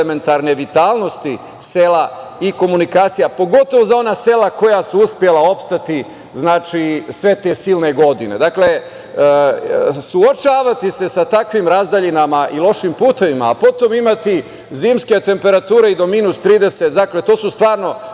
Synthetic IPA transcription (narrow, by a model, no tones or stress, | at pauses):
eme̞nt̪aɾne̞ʋit̪aːlˠno̞st̪i | sela | iko̞munikaːt̪sijapo̞ɡo̞t̪o̞ʋozao̞naːse̞lako̞jasuuspje̞lao̞pst̪at̪i | znaːt͡ʃisʋe̞t̪e̞ːsiːlne̞ɡo̞d̪ḭne̞̰d̪akle̞ | suot͡ʃaːʋat̪ise̞sat̪akʋimɾazd̪aʎinamaʔilˠo̞ʃimpuːt̪e̞ʋima̰ːpo̞t̪o̞mimat̪i | ziːmske̞t̪e̞mpe̞ɾat̪uːɾeid̪o̞minust̪ɾiːd̪e̞set̪d̪akle̞t̪o̞ːsust̪ʋaːɾno̞